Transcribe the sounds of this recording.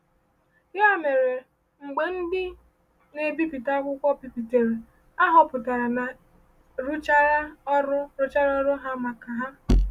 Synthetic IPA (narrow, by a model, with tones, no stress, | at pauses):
ja˦me˨ɾe˨ | ŋ͡m̩˨ɡ͡be˨n̩˦dɪ˦ | ne˨bi˦pi˨ta˦kʷʊ˦kʷɔ˦pi˨pi˨te˨ɾe˨ | a˦ɦɔ˨pʊ˨ta˨ɾa˨na˨ | ɾu˦t͡ʃa˦ɾa˦ɔ˦ɾʊ˦ɾʊ˦t͡ʃa˦ɾɔ˦ɾʊ˦ɦa˦ma˨ka˨ɦa˦